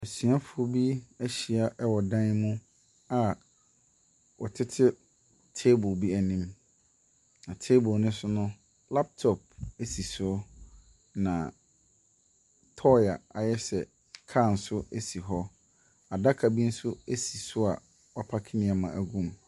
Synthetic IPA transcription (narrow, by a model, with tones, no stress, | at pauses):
e˨sɥa˦fʊ˨ɔ˦bi˦æ˦ɕi˨a˨ʔɛ˦wɔ˨dã˦n˦mũ˦ | a˨ | wɔ˨tʰɪ˦tʰɪ˦ | tʰe˦bʊ˨bi˦æ˨nĩ˦m | nã˨tʰe˦bʊ˨nʊ̃ɪ̃˦sʊ˦nʊ̃˦ | la˦p̚tʰɔ˨p̚e˦si˨sʊ˦ | nã̰˨ | tʰɔ˦ja̰˨a˨jɛ˦sɛ˨ | kʰa˦˨n̩˨sʊ˦e˦si˨ɦɔ˦ | a˨da˦kʰa˨bi˦n̩˦sʊ˦e˦si˨sʊ˦a˨ | wɔ˨pʰa˦kʰɪ˦nɪ̃˨a˨mã˨ʔæ˨ɡũ˦m